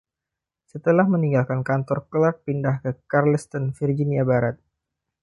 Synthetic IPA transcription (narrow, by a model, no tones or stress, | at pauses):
sət̪əlahməniŋɡalkankant̪ɔrkəlak̚pindahkəkarləst̪ɔnfird͡ʒiniabaɾat̪̚